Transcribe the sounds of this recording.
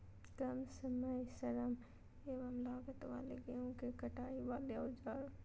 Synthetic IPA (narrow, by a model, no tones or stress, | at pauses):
kɐmsɐmɐjsɐɾɐm | eːʋɐmlaːɡət̪ʋa̰ːleɡeõkekɐʈaːiʋaːleaːd͡ʒaːɾ